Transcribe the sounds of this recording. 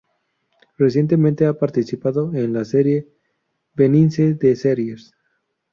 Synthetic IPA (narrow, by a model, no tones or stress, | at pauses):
resje̞nt̪e̞mẽnt̪eapaɾt̪isipaðoenlaseɾje̞ | benĩnseðeseɾjes